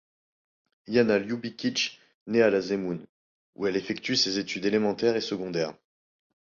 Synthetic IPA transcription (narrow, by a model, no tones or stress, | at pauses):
janaljubikʲit͡ʃ | nealazemun | ṵɛlefɛkt̪ysezet̪ʰyd̪elemɑ̃t̪ɛʁesəɡɔ̃d̪ɛːʁ